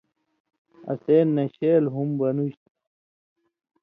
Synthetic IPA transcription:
ɐ̰seːnːɐɕeːlɦumbɐnuɕt̪

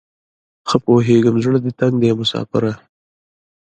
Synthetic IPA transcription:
xəpoɦeːɡəmzɽad̪ət̪aŋɡd̪eːmʊsɑ̰ːfɪ̰ɾa

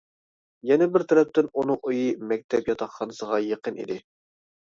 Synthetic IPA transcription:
jɛnɛbɪɾt̪ʰɛɾɛp̚t̪ɪnunɨŋujimɛk̚ʲt̪ʰɛpjɑt̪ʰɑχχɑnɨsəʁɑjeqənḭd̪ɪ

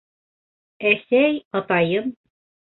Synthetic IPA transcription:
æsæjɑt̪ɑjɤm

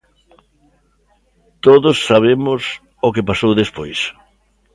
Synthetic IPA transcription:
t̪oðʊsːaβ̞emʊs | ʊkepasowðespojs

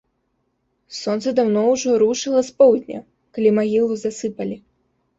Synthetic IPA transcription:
sɔnt̪sɛd̪awnɔwʐɔɾuʂɨlˠɐspɔwd̪ʲnʲɐ̰ | kalʲimaɣʲilˠuzasɨpɐlʲi

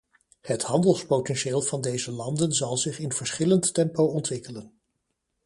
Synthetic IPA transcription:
hətɦɑndəlˠspotɛnʃeːlˠv̥ɑndejzəlɑndənzɑlˠzɪχɪnv̥əɹsχɪlənttɛmpowɔntʋɪkələn

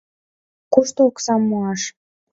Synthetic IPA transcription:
kuʃt̪ooksɑmːuɑʃ

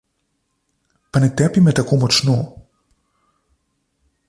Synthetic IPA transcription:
pɐnɛt̪ɛpimɛt̪akɔmɔt͡ʃnɔ

